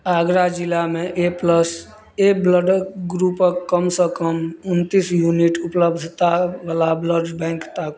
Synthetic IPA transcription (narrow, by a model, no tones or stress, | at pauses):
aɡɾad͡ʒilameʔepləs | ebləɖɡɾupəkːəmsə̃kəmunt̪isjuniʈupləbd̪ʱt̪aʋəlabləɖbɛ̃ŋkt̪ak